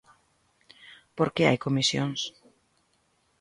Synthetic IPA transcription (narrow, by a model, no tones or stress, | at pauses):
poɾkea̰jkomisjo̰ŋs